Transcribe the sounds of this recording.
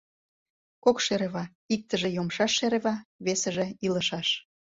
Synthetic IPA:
kokʃeɾeβɑ | ik̚t̪əʒĕjomʃɑʃːeɾeβɑβesəʒĕilə̆ʃɑʃ

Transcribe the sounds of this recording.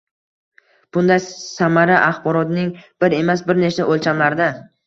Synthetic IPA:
b̥ʊnd̪ajsamaɾaʔaχbɒɾɒt̪nɪŋb̥ɪɾe̞mas̬bɪɾnet͡ʃaʔolt͡ʃʰamlaɾd̪a

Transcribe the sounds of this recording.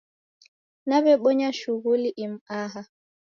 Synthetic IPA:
naβɛɓɔɲaʃuɣuliʔim̩aɦa

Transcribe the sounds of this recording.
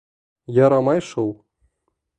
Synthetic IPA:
jɑɾɑmɑjʃɤwˠ

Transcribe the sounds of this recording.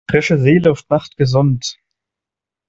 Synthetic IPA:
ʁ̥ɪʃəzeːlʊʊftnaχtɡ̥əzʊnt

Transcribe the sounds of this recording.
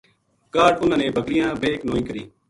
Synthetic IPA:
kaːʈʊnãːneːbʱəkɾɪjãːbeːknoːĩːkəɾḭː

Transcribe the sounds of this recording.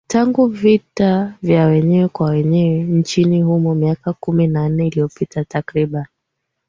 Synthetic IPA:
taŋɡuvitavjawɛɲɛwɛkwawɛɲɛwɛn̩t͡ʃinihumɔmiakakuminan̩nɛilijɔpitʰatakɾiɓani

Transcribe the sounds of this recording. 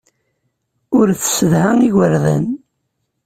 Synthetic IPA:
ʊɾθsəðhaŋiʝəɾðæ̰n

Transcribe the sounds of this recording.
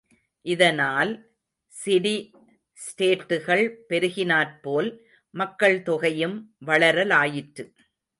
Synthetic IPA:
ʔɪðɐnaːl | sɪɽi | sʈeːʈːɯɣɐɭpɛɾɯɣɪnaːɾpoːl | mɐkːɐɭt̪ɔɣɐjɯmʋɐɭɐɾɐlaːjɪʈɾɯ

